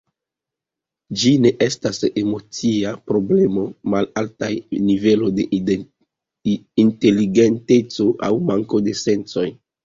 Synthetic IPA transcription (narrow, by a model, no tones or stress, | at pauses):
d͡ʒine̞ʔe̞stase̞mo̞t͡siapɾo̞ble̞mo̞malaltajnive̞lo̞jde̞ | inte̞liɡe̞nte̞t͡so̞ʔa̰wmaŋko̞de̞se̞nt͡so̞j